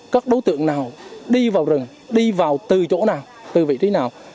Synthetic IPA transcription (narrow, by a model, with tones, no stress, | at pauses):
kaː˦˥k̚ɗo˨˦jt̪ɨ̰˧˨əŋnaː˨˩wɗi˧vaː˨˩wzɨ˨˩ŋ | ɗi˧vaː˨˩wt̪ɨ˨˩t͡ɕo̰˧˥naː˨˩w | t̪ɨ˨˩vḭ˧˨t̪i˨˦naː˨˩w